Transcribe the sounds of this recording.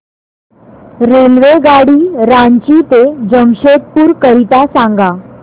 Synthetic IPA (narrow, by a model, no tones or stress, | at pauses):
ɾelʋeɡaɽiːɾaɲt͡ɕit̪ed͡ʑəŋɕet̪̚puːɾkəɾit̪asãŋɡa